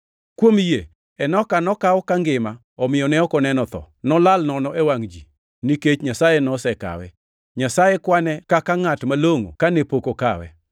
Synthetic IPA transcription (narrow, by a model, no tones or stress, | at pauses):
kwomje | ɛnɔkanɔkawɔkaŋɡɪma | ɔmɪjɔnɛɔkɔnɛnɔt̪ɔ̰ | nɔlalnɔnɔewaŋd͡ʒi | niket͡ʃɲasajenɔsɛka̰wɛ̰ | ɲasajekwanɛkakaŋatmaloŋo̰kanepokokawɛ̰